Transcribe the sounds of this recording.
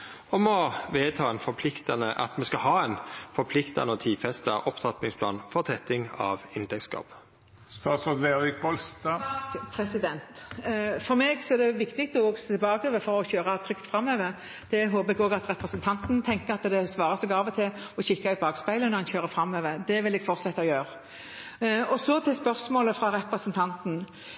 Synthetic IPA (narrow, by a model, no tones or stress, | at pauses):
ɔmɔʋeːt̪ʰɑːɛnfɔpʰlɪkt̪ɑnəʔɑ̰t̪mɛskɑɦɑːɛnfɔɾpʰlɪkt̪ɑ̰nəɔt̪ʰiːfɛst̪ə̰ʔɔpt̪ʰɑt̪nɪŋspʰlɑ̰ːnfɔʁt̪ʰɛt̪ɪŋɑ̰ʋɪnt̪ʰɛk̪skɑ̰ːb̥ | st̪ɑːt̪sɔd̪ʋeʋɪk̚bɔlst̪ɑpʰɾɛsɪd̪ɛnt̪fɔɾmɛɡsɔɛd̪ɛʋɪkt̪ɪkt̪əoːɡst̪bɑːɡøːʋəfɔɾɔɕøːɾɑt̪ʰɾʏkt̪fɾɑmːøːʋəɾ | d̪̥ɛɦoːbəɛɡoːɡɑt̪ɾɛpɾəsənt̪ʰɑnt̪nt̪ʰɛŋkəɑt̪d̪ɛsʋɑːɾəsɛɡɑːʋət̪ʰɪlɔɕɪkːaʉt̪̚bɑːɡspæɪlənɔhɑnçøːɾəfɾɑmːøːʋəd̪ɛʋɪlɛɡ̥fɔɾt̪sɛt̪ːəɔjøːɾ | ɔsɔt̪ʰɪlspœɾsmoːləfʁɑɾɛpɾəsənt̪ʰɑnt̪n̩